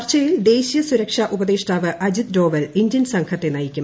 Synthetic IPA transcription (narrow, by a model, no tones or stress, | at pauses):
rt͡ɕɐjild̪e̞ːɕijɐsuɾɐkʂaʔubɐðeːʂʈaːʋɨʔɐd͡ʑit̪̚do̞ːʋɐliɲdjɐnsɐŋkʰɐt̪ːenɐjikʲːu